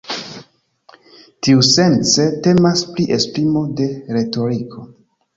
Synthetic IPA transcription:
tiuse̞nt͡sete̞maspliʔe̞spɾimo̞de̞ɾe̞to̞ɾikʰo̞

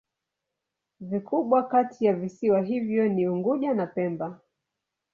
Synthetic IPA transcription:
vikʰuɓwakatʰijavisiwaɦivjɔniuŋɡuʄanapɛmba

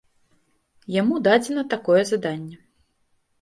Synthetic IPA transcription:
jamud̪ad͡zʲɛnɐt̪akɔjɛzad̪anʲːɛ

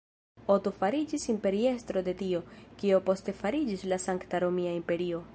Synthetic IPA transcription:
o̞tofaɾid͡ʒisimpe̞ɾie̞stɾo̞de̞tio̞kio̞po̞ste̞faɾid͡ʒislasaŋktaɾo̞miaimpe̞ɾio̞

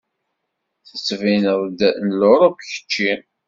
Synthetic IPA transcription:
θə̥t͡sːvinəðˤd̪nəloɾˤopçə̥t͡ʃːi

